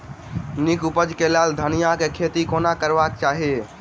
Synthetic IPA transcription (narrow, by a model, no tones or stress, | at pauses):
nɪkʊpəd͡ʒkelaːld̪ʱənijakekʰeːt̪ikoːnakəɾʋaːk̚t͡ʃaːɦe